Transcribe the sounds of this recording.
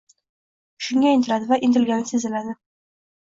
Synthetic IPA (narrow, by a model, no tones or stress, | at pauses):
ʃʊŋɡʲaɪnt̪ɪɾad̪ɪvaʔɪnt̪ɪlɡʲanɪsezɪlad̪ɪ